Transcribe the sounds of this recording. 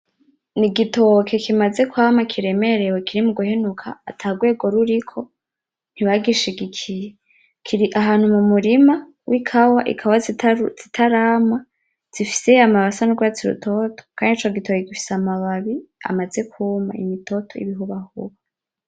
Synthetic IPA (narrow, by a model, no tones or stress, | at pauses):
niɡitokʰe̞kʰimaze̞kuhaːmakʰiɾe̞me̞ɾe̞wekʰiɾimuɡuhe̞nukʰa̰ːtʰaɡwe̞ːɡo̞ɾuɾikʰo̞ | n̥iβaɡiʃiɡikʰije | kʰiɾiʔaɦaːnhumumuɾima | wʔikʰawaʔḭkʰawaz̥itʰaɾaːma | z̥ifi̥se̞amaβasanuɡwat͡siɾṵtʰo̞tʰo̥kʰaːndit͡ʃoɡitokekifi̥seamaβaβia̰maze̞kʰuːma̰ḭmito̞tʰo̞ḭβiɦuβahṵβa